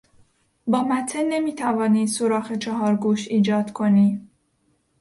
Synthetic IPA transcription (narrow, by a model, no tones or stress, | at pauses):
bɒːmæt̪ʰːene̞miːt̪ʰævɒːniːd̪soɾɒːxet͡ʃʰɒɦɒːɾɡuːʃiːd͡ʒɒːd̪kʰoniː